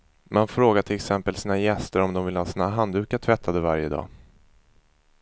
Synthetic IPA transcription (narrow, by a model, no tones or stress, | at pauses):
manfɾoːɡaʈʰɪlɛksɛmpəlsiːnajɛst̪əɾɔmd̪ɔmvɪlhɑːsiːnaɦand̪ʉ̟ːkaʈʰvɛt̪ʰːad̪əvaɾjəd̪ɑ̰ː